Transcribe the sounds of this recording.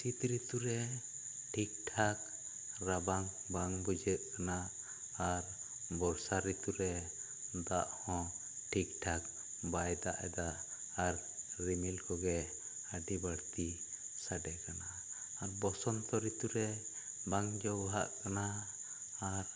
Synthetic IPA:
sit̪ɾit̪uɾɛ | ʈʰik̚ʈʰak | ɾabaŋ | baŋbud͡ʒɛʔ̪̚kanaː | ɾ | bɔɽsaɾit̪uɾɛ | d̪aʔhɔ̃ | ʈʰik̚ʈʰak̚ | bajd̪aʔɛd̪aʔː | ɾɾimilkɔɡɛ | əɖibaɽt̪i | saɖɛkanaː | ɾbɔsɔnt̪ɔɾit̪uɾɛ | baŋd͡ʒɔwɦa̰ʔkanaː | ɾ

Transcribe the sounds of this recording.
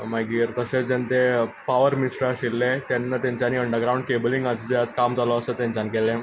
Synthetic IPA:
majɡiːɾt̪əɕet͡sd͡ʑent̪epaʋəɾmisʈɾaɕilːet̪janːat̪jaɲt͡ɕaniːəɳɖəɾɡɾawũɳɖ̚kebəliŋɡad͡ʑid͡ʑead͡zkamd͡zalɔəsət̪jãɲt͡ɕanikelẽ

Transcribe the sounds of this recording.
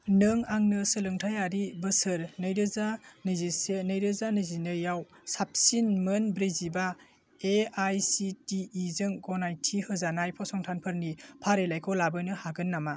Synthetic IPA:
nɯŋaŋnɯsɯlɯŋtʰajaɾibɯsɯɾnɯjɾɯzanɯzisenɯjɾɯzanɯzinɯjawsap̚sinmɯnbɾiziba | eajsitiːzɯŋɡɔnajtʰihɯzanajpʰɔsɔŋtʰanpʰɯɾnipʰaɾelajkʰɔlabɯnɯhaɡɯnːama

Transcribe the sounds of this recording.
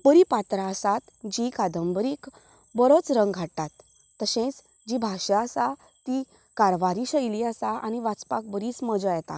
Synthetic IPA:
pəɾipat̪ɾaəsat̪ | d͡ʑikad̪əmbəɾiːk | bəɾot͡sɾə̃ŋɡɡʱatat̪ː | əɕẽt͡s | d͡ʑibʱaɕəəsa | t̪i | kaɾʋaɾiɕəjliasaʔa̰ñiʋat͡spak̚bəɾisməd͡zəjɛt̪a̰

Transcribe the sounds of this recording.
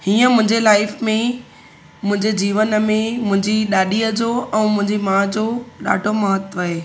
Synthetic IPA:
hiːə̃mʊ̃ɦɪ̃ɲd͡ʑelaːɪfmẽ | mʊ̃ɦɪ̃ɲd͡ʑed͡ʑiːʋənmẽmʊ̃ɦɪ̃ɲd͡ʑiɗaːɗiəd͡ʑoːʔɛ̃ːmʊ̃ɦɪ̃ɲd͡ʑimãd͡ʑoːɗa̰ːɖʱoməɦət̪ʋəɦeː

